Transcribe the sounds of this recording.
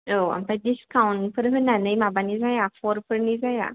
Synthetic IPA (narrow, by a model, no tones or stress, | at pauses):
oa̰mpad̪iskawɳpəɾɦənanəjmabãniːd͡zajafɔɾfəɾnid͡zaja̰